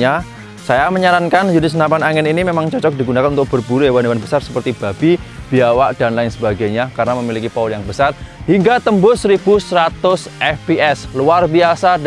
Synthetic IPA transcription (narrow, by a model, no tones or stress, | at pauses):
ɲa | sajaməɲaɾankanjunɪsnapanaŋɪninimemaŋt͡ʃɔt͡ʃɔk̚diɡunakanunt̪ʊk̚b̥ərb̥uɾuewanewanbəsarsə̥pərt̪ib̥a̤b̥ib̥iawaʔd̥a̤nlaɪnsəbaɡajɲakarnaməmilikipauljaŋbəsarhiŋɡat̪əmbʊsəɾib̥usəɾat̪ʊsʔɛfbiɛsluarbiasad